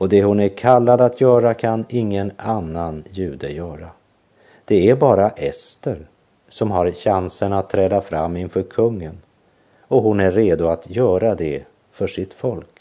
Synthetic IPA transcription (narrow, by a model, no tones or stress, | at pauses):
ɔd̪ɛhʊnæɾkʰalːad̪at̪ʰjœːɾakʰanɪŋːənanːanjʉ̟ːd̪əjœːɾa | d̪̥ɛæɾbɑːɾaʔɛst̪əɾ | sɔmɦaɾɕansənat̪ʰːɾɛːd̪afɾamːɪnfœɾkʰɵŋːən | ɔɦʊnæɾːeːd̪ʊat̪jœːɾad̪ɛ | fœʂɪt̪fɔlk